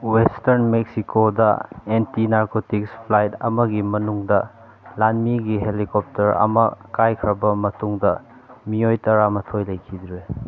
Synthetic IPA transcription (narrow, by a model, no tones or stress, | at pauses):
westɐɾnmek̚sikʰodɐ̰entinaɾkotikspʰlajtɐ̰mɐɡimɐnuŋdɐ | lanmiɡiɦelikɔp̚tɐɾɐ̰mɐ̰kajkʰɾɐbɐmɐtuŋdɐ | miojtɐɾamɐtʰojlɐjkʰid̪ɾe